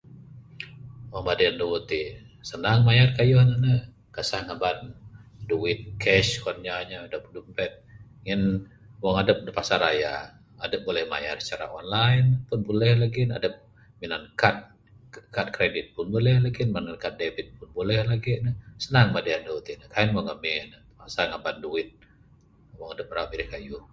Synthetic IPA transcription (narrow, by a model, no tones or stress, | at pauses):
wɔmadaandəut̪i | sənaŋmajarkajɔhnanə | kasahŋabanduɪt̪̚kʰɛʃkɔnɲaɲadəp̚dumpɛt̪̚ŋən | wɔŋadəp̚dəpasaɾa̰ja̰ː | dəp̚bolɛhma̰jarsə̥t͡ʃaɾa̰ɔnlaɪnpʊnbolɛhlaɡina̰dəp̚ | minankat̪̚ | kat̪̚kɾedɪt̪̚pʊnbolɛhlaɡinmanankat̪̚devit̪̚pʊnbolɛhlaɡinəhsənaŋmadiandout̪inəkainwaŋamɪnə | asaŋabanduwɪt̪̚ | waŋadəp̚ramiɾihkaju